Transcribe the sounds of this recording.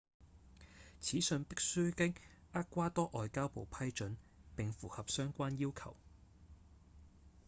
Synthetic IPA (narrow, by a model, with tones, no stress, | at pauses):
t͡sʰiː˨˥sɵ˨˧ŋpɪ˥k̚sy˥kɪ˥ŋaː˥kːʷaː˥t̪ɔː˥ʔɔː˨jkaː˥wpo˨wpʰɐ˥jt͡ʃɵ˨˥npɪ˨ŋfuː˨˩hɐ˨p̚sœː˥ŋkʷaː˥njiː˥wkʰɐ̰˨˩w